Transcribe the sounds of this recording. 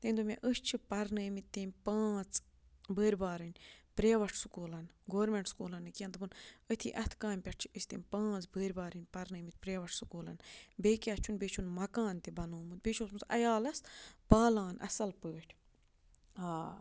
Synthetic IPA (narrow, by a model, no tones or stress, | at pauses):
t̪eːnʲd̪umʲḛ̃ʔəst͡ʃʰipɐɾnɨːmit̪̚ʲt̪ːeːmʲpãːt͡s | bəːɾʲbaːɾɨnʲpɾeːʋɐʈʰsukoːlɐnɡoːɾmʲeɳʈskoːlɐnːɨkijɐ̃nt̪ɨpɨnət̪ʰḭːʔɐt̪ʰkãːmʲpʲɐʈ̚ʰt͡ʃʰi̥əsʲt̪eːmʲpãːt͡sbəːɾʲbaːɾɨnʲpɐɾnɨːmit̪̚ʲpɾʲeːʋɐʈʰsukoːlɐ̰nbeːkʲaːst͡ʃʰunbeːt͡ʃʰunmɐkaːnt̪ibɐnoːmɨt̪̚bet͡ʃʰuːsmut͡s̪ɐ̰jaːlɐsbaːlaːnɐ̰sɐlpəːʈʲʰ | aː